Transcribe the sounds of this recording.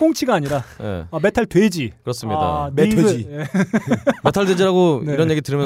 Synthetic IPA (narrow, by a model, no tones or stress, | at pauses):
koŋt͡ɕʰiɡaːɲiɾanḛame̞tʰaɭtwe̞d͡ʑikɯɾʌs͈ɯmɲida̰mee | metʰaɭdwed͡ʑiɾaɡoeiɾʌnje̞ɡiɾtɯɾɯmjʌ